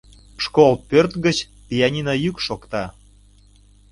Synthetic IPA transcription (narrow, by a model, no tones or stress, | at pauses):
ʃkolpørt̪ɣət͡ɕ | pʲijɑnʲinɑjykʃokt̪ɑ